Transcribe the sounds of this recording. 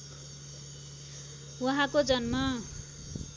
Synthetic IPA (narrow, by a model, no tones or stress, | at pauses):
wʌɦãkod͡zʌnmʌ